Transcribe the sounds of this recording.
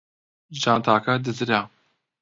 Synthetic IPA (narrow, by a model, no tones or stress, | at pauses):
ʒaːnt̪ʰaːkʰad̪ɨzɨɾa